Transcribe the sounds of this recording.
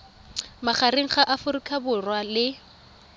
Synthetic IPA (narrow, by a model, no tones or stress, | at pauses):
maχaɾiŋ̩χaʔafʊɾikʰʼabʊrwalɪ